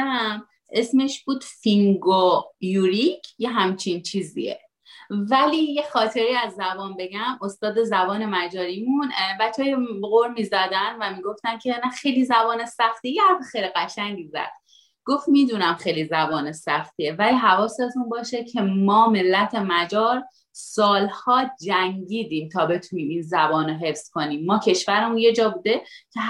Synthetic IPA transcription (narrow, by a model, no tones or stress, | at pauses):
m | ʔe̞sme̞ʃb̥uːd̪̥fiŋɡojuːɾicʰje̞ɦæmt͡ʃʰint͡ʃʰiːzḭḛ | vælijexɒːt̪ʰe̞ɾiːæzːæbɒːnbe̞ɡæmo̞st̪ɒːd̪e̞zæbɒːne̞mæd͡ʒɒːɾimunbæt͡ʃʰːɒːjeɣoɾmiːzæd̪ænvæmiːɡo̞ft̪ænkcʰe̞næxejlizæbɒːnesæxt̪ijehæɾt̪ːexejliɣæʃæŋɟizæ̰d̪̥ | ɡ̥o̞ft̪miːd̪unæmxejlizæbɒːnesæxt̪ʰievæliːɦævɒːset̪ʰunbɒːʃecʰe̞mɒːme̞lːæt̪ʰe̞mæd͡ʒɒːɾ | sɒːlhɒːd͡ʒæŋɟiːd̪iːmt̪ʰɒːbe̞t̪ʰuniːminzæbɒːnoɦe̞fskʰo̞niːmːɒːcʰe̞ʃvæɾemunje̞d͡ʒɒːbuːd̪e̞cʰe